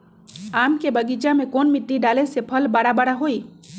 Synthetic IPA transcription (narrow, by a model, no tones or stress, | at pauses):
aːmkebəɡid͡ʒamẽkoːnmɪʈːiɖaːlesepʰəlbaɽabaɽaɦoi